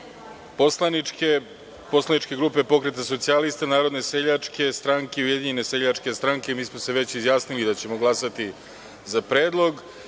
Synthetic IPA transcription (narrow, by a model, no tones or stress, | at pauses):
poslanie | poslanit͡ʃke̞ɡɾuːpe̞po̞kɾe̞t̪aso̞t̪sialist̪anaːɾod̪ne̞seʎat͡ʂke̞st̪ɾaŋkeiujed̪iɲe̞ne̞seʎat͡ʂke̞st̪ɾaŋkemiːsmose̞ʋe̞t͡ɕizjaːsnilid̪at͡ɕe̞moɡlˠasat̪i | zapɾeːd̪lˠo̞ɡ